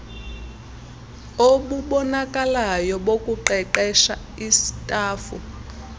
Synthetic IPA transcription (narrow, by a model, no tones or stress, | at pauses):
oɓuɓɔnakʼalajɔɓokʼuǃɛǃɛʃa | isi̥tʼaːfu